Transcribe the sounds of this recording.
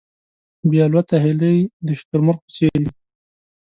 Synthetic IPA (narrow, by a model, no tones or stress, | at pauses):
bjɑlwat̪aɦɪləjd̪əʃt̪ʊɾmʊɾq̚pə̥seɾi